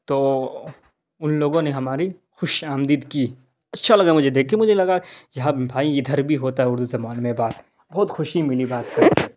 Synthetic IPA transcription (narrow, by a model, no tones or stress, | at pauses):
t̪oː | ʊnloːɡõneɦɐmaːɾi | xʊʃaːmd̪id̪kiː | ɐtːʃʰalɐɡamʊd͡ʒʱed̪eːkʰːemʊd͡ʒʱelɐɡajɐɦãbʱaːiɪd̪ʱɐɾbʱiɦoːt̪aɦɛʊɾd̪uzɐmaːnmẽbaːt̪ | bɔːt̪xʊʃimɪlibaːt̪̚kɐɾi